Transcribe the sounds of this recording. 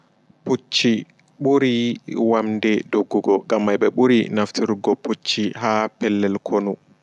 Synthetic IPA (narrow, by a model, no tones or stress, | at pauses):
put͡ʃːi | ɓuɾiwamdɛdoɡːuɡɔŋɡamːajɓɛɓuɾinaftʰiɾɡɔput͡ʃːiɦaːpɛlːɛlkʰonu